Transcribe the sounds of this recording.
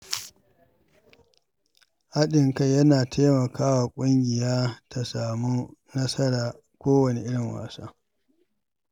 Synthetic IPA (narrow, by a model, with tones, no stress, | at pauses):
ha˦ɗɪ˨ŋkɐ˨jɐ˦naː˨tʰa˦mɐ˨kaː˦waː˨kʷʼʊ˦ŋɡʲɪ˨jaː˦tʰa˨saː˨mu˦nɐ˦sɐ˦ɽaː˨ | kʷoː˦wɐ˨nḛ˦ʔɪ˦ɽɪ˨ŋwa̰ː˨saː˦